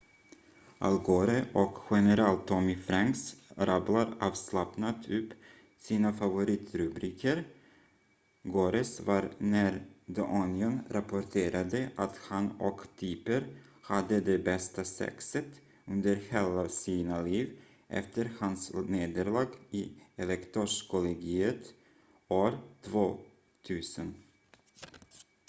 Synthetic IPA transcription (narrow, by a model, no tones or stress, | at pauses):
ʔa̰lɡoːɾəʔɔkɧɛnɛɾɛlt̪ʰːɔmɪfɾaŋksɾablaɾɑːvslapnat̪ʰɵpː | siːnafavʊɾiːt̪ɾɵbɾiːkʰəɾ | ɡoːɾəsvaɾnæɾd̪ɔʔɔnɪɔnɾʔapɔʈʰeːɾad̪əʔat̪hanɔkt̪ʰiːpəɾ | had̪ːəd̪ɛbɛst̪asɛ̰ksət̪ | ɵnd̪əɾheːlasiːnaliːv | ʔɛ̰ft̪əɾhansneːd̪əɾɭɑːɡiɛlɛkt̪ʰɔʂkʰɔlɛɡiːət̪ | oːɾt̪ʰvoː | t̪ʰʉ̟ːsən